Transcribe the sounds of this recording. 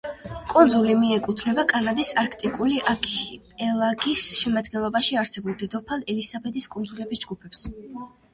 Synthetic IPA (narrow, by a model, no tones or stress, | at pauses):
kʼund̪zulimiɛkʼut̪ʰnɛbakʼanad̪isaɾkʰt̪ʼikʼuliʔakʰpʼɛlˠaɡisʃɛmad̪ɡɛnlˠɔbaʃiaɾsɛbulˠd̪ɛd̪ɔpʰalˠɛlisabɛd̪iskʼund̪zulɛbisd͡ʒɡupʰɛps